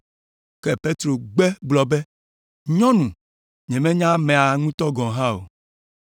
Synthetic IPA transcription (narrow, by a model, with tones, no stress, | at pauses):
kɛ˦pe˦t̪ɾo˨ɡ͡bɛ˦ɡ͡blɔ˨be˦ | ɲɔ̃˦nũ˨ | ɲɛ̃˨mẽ˦ɲã˦mẽ˨a˨ŋũ˦t̪ɔ˦ɡɔ̃˨ɦã˦o̰˨